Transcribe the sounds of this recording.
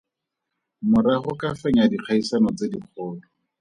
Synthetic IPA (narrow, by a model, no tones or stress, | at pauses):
mʊɾaχʊkafɛɲadiq͡χʰaisanɔt͡sediq͡χʰɔːdɔ